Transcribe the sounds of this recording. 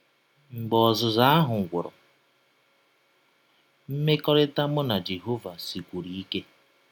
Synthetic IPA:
ŋ͡m̩˨ɡ͡bɔ˨zʊ˨za˦a˦ɦʊ˨ŋ̩˨ɡʷʊ˨ɾɔ̰˨ | m̩˦me˦kɔ˦ɾɪ˦ta˦mʊ˦na˨d͡ʒe˨ɦo˦va˨si˨kʷu˨ɾi˨i˦ke˦

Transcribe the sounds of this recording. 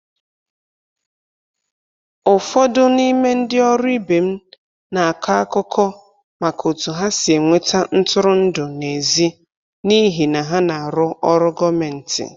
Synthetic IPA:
ʊ˨fɔ˦dʊ˦ni˦me˦n̩˦dɪ˦ɔ˦ɾʊ˦i˦be˨m̩˦ | na˨a˨ka˦a˦kʊ˦kʰɔ˦ | ma˨kʰo˨tu˨ɦa˦sɪ˨e˨ŋʷe˦ta˦n̩˦tʊ˦ɾʊ˦n̩˦dʊ˨ne˨zi˦ | ni˦ɦi˨na˨ɦa˦na˨a˨ɾʊ˦ɔ˦ɾʊ˦ɡɔ˦me˨n̩˨tɪ̰˨

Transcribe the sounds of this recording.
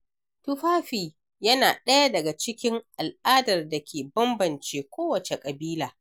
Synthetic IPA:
tʊ˦ɸaː˦ɸiː˨ | jɐ˦naː˨ɗɐ˦ja˦dɐ˨ɡa˨t͡ʃɪ˦kʲɪ˦ŋʔa˨lʔaː˦dɐ˨rda˨kʲʰeː˨bɐ˦mbɐ˨nt͡ʃeː˦kʷoː˦wɐ˨t͡ʃe˨kʼɐ˨biː˦laː˨

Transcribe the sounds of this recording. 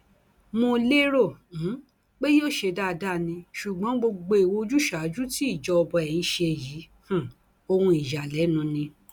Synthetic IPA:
mõ˧le˦ɾõ˦˨˦ | k͡pe˦joː˦˨ʃe˧da˦˨da˦˨nĩ˧ʃu˨ɡ͡bɔ̃˨˦ɡ͡bo˧ɡ͡bo˧i˨wo˧d͡ʒu˦ʃa˨˦d͡ʒu˦ti˦i˦˨d͡ʒɔ˧ɔ˧bɔ˧ɛ˨j̃ĩ˧ʃe˧˨ji˨˦ | hũ˨ | o˧hũ˧i˨ja˨lɛ˨˦nũ˧nĩ˧

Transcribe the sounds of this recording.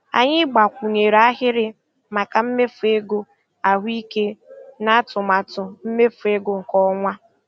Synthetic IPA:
a̰˨ɲɪ˦ɡ͡ba˨kʷu˨ɲe˨ɾa˦ɦɪ˦ɾɪ˦ | ma˨ka˨m̩˦me˦fu˨e˦ɡo˦ | a˨ɦʷi˦ke˦na˦tʊ˨ma˨tʊ˨m̩˦me˦fu˨e˦ɡo˨ŋ̩˨kɔ˦ŋʷa˦

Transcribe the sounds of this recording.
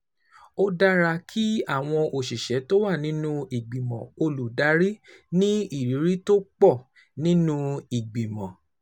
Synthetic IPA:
o˦da˦ɾa˧kʰi˦a˦˨w̃ɔ̃˧ʔo˨ʃi˨ʃɛ˨˦to˦wa˦˨nĩ˦nũ˦i˨ɡ͡bi˨mɔ̰̃˨o˧lu˨da˨˦ɾi˦nĩ˦i˦˨ɾi˨˦ɾi˦to˦k͡pɔ˦˨ | nĩ˦nũ˦i˨ɡ͡bĩ˨mɔ̃˨

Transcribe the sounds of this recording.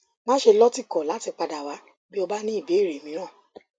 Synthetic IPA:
mãː˦ʃe˧lɔ˦ti˦˨kɔ˨la˨˦ti˧k͡pa˧da˨wa˨˦ | bi˦o˧ba˦nĩ˦i˦˨be˨˦i˦˨ɾe˨mĩ˨˦ɾ̃ãː˦˨

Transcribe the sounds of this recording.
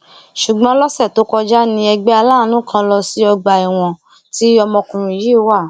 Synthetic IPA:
ʃu˨ɡ͡bɔ̃˧˦lɔ˦sɛ˦˨to˨˦kɔ˧d͡ʒa˦nĩ˧ɛ˧ɡ͡bɛ˦a˧la˦˨˦nũ˦kʰã˧lɔ˧si˦ɔ˧ɡ͡ba˨i˨w̃ɔ̃˨ | ti˦ɔ˧mɔ̃˧kũ˨ɾ̃ũ˨ji˨˦˨wa˦˨

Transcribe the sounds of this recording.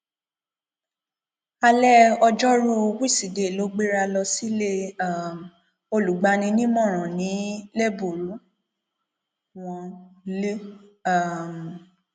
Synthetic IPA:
a˧lɛ˦ɔ˧d͡ʒɔ˦ɾu˦˧wi˦˨si˨de˨lo˨˦ɡ͡be˦ɾa˧lɔ˧si˦le˦a˦˨m˨ | o˧lu˨ɡ͡ba˨˧nĩ˧˦nĩ˦mɔ̃˦˨ɾ̃ɔ̃˨nĩ˨˦lɛ˦˨bo˨ɾu˨˦ | w̃ɔ̃˧li˦a˦˨m˨

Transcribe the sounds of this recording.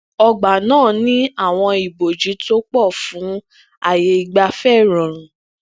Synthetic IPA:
ɔ˧ɡ͡ba˨nãː˦˨nĩ˦a˦˨w̃ɔ̃˧i˨bo˨d͡ʒi˨˦to˦k͡pɔ˦˨fũ˨˦ | a˦˨je˧i˨ɡ͡ba˧fɛ˦˨ɾɔ̃˨ɾ̃ũ˨

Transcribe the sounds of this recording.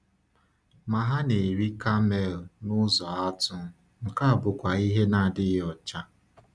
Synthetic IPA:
ma˨ɦa˦ne˨ɾi˦ka˦me˨lnʊ˦zɔ˨a˦tʊ˦ | ŋ̩˨ka˦˨bʊ˨kʷa˨i˦ɦe˦na˨dɪ˦ɔ˨t͡ʃa˦

